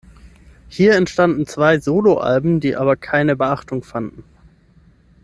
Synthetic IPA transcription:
hiːɐɛntʃtandn̩t͡sv̥aɪzoːloʔa̰lbm̩diːʔa̰ːβɐkʰaɪnəbəʔaχtʊŋfandn̩

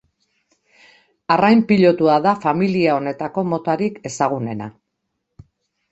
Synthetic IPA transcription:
arajmpiʎo̞t̪uaðafamiliao̞ne̞t̪ako̞mo̞t̪aɾike̞saɣ̞une̞na̰

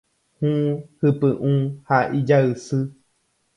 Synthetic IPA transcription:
hũhɨpɨʔũːhaʔid͡ʒaɨsɨ

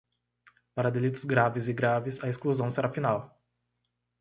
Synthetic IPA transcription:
paɾɐd̪elit̪ʊzɡɾavɪzɪɡɾavɪzɐeskluzɐ̃w̃seɾafinaw

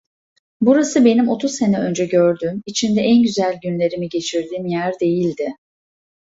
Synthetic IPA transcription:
buɾasɯbe̞nimo̞t̪ʰuzse̞nɛø̞nd͡ʒɛɟøɾd̪ymit͡ʃʰind̪ɛʔænɟyzælʲɟynlʲe̞ɾimiɟe̞t͡ʃʰiɾd̪iːmjæɾd̪e̞jilʲd̪ɪ

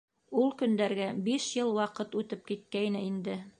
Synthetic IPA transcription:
ulˠkɵ̆nd̪æɾɡæbiʃjɤlˠwɑqɤt̪ʉt̪ɘp̚kit̪̚kæjnɘind̪ɘ

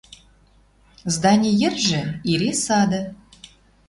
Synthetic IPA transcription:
zd̪ɑnʲejɘ̆rʒɘ̆iɾesɑd̪ɤ̆

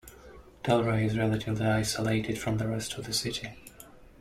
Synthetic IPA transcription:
d̥ɛlˠɹeɪɪzɹɛlˠətʰɪvliaɪsəleɪtɨd̥fɹʌ̃mðəɹɛstʰʌvðɨsɪɾi

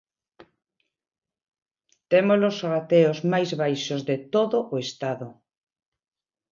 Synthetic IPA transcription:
t̪emolosrat̪eozmajzβajʃozðet̪oðʊʔoest̪aðʊ

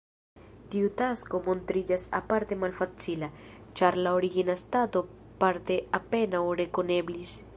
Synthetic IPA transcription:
tiutasko̞mo̞ntɾid͡ʒasapaɾte̞malfat͡sila | t͡ʃaɾlaoɾiɡinastato̞ | paɾte̞ape̞nawɾe̞ko̞ne̞blis

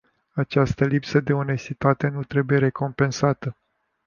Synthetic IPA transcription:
at͡ʃast̪əlipsəd̪e̞o̞ne̞st̪it̪at̪e̞nut̪ɾe̞buje̞ɾe̞ko̞mpe̞nsat̪ə

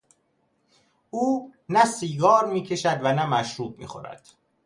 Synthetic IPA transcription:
uːnæsiːɡɒːɾmiːcʰe̞ʃæd̪vænæmæʃɾuːb̚mḭːxo̞̰ɾæ̰d̪̥

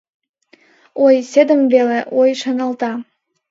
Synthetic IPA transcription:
ojsʲed̪əmbeleʔojʃɤ̆nɤ̆lˠt̪ɑ

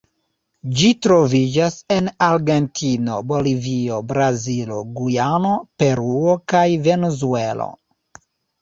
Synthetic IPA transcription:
d͡ʒitɾo̞vid͡ʒase̞naɾɡe̞ntʰino̞bo̞livio̞bɾazilo̞ɡujano̞pe̞ɾuokajve̞nuzue̞lo̞̰

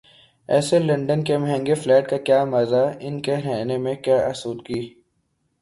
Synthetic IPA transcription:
ɛ̰ːselɐ̃ɳɖənkemɦɛ̃ːŋɡeflɛːʈ̚kakjaːmɐzaɪnkeɾɛɦnemẽkjaːʔɐsuːd̪kiː

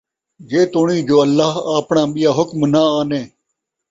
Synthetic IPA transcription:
d͡ʒeːt̪oːɳiːd͡ʒoːəlːaːɦaːpɳãːɓɪjaːɦʊkmnaaːnẽː

